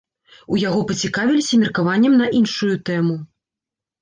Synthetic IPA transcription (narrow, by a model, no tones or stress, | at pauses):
ujaɣɔpɐt͡sʲikavʲilʲisʲɐmʲirkavanʲːɛmnɐʔinʂujut̪ɛmu